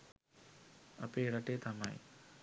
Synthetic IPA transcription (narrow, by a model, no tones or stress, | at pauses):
ɐ̰peːɾɐʈeːt̪amɐ̰j